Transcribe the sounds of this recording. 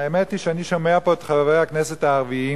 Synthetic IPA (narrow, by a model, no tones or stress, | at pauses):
aemet̪iʃeaniʃome̞apo̞et̪χaveʁejhakneset̪aːʁvii